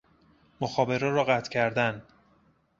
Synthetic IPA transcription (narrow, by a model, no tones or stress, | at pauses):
moxɒːbe̞ɾɒːɾɒːɣæt̪ʰcʰæɾd̪æn